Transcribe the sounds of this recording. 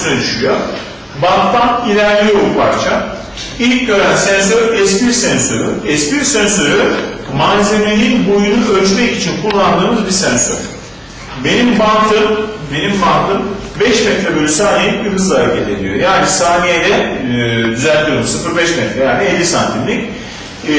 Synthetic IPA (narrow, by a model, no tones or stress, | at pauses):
sød̪yʃyjo | bant̪lanilʲæɾlʲijobupʰaɾt͡ʃʰa | ilʲcɟø̞ɾænsɛns̬øɾɛspiɾsɛnsøɾyɛspiɾsɛnsø̞ɾymanze̞melʲiinbojunuølt͡ʃmɛkit͡ʃʰinkʰulˠːand̪ɯːmɯzbiɾsɛnsø̰ɾ̥ | be̞nimbant̪ʰɯnbe̞nimbant̪ʰɯn | bɛʃmɛt̪ɾɛbølʲysaːnijijɯkɯzaɾecʰet̪ed̪ijo̰jaːnisaːnijed̪ɛ | d̪yzælʲt̪ʰuɾomsɯfɯɾbɛʃmɛt̪ɾɛjaːnielʲːisant̪ʰimlʲic